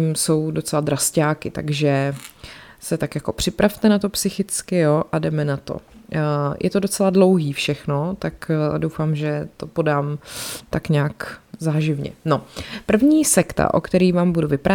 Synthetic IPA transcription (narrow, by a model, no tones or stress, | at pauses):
ɪmso̞wdo̞t͡sɛlad̪ɾascaːkɪt̪a̰ɡʒɛ | sɛt̪akjako̞pr̝̥ɪpɾaft̪ɛnat̪o̞psɪxɪt͡skɪjoʔadɛmɛnat̪o̰ | jʔɛ̰t̪o̞do̞t͡sɛladlo̞wɦiːfʃɛxno̞t̪akdo̞wfaːmʒɛt̪opo̞daːmt̪akɲaːkzaːʒɪvɲɛ̰no̞pr̩vɲiːsɛkt̪a̰ʔo̞̰kt̪ɛɾiːvaːmbuduvɪpɾa